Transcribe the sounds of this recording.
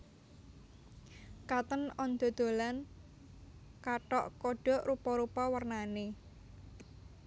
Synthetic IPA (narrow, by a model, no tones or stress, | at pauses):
kat̪ənɔnd̪̥ɔ̤d̪̥o̤lan | kaʈɔʔkɔɖ̥ɔ̤ʔɾupɔɾupɔwərnane